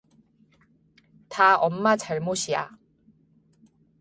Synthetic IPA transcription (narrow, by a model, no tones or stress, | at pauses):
taʌmːat͡ɕaɭmoɕʰija̰